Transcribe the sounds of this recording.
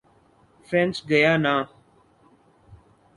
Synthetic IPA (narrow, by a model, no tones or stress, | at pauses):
fɾɛ̃nsɡəjaːnaː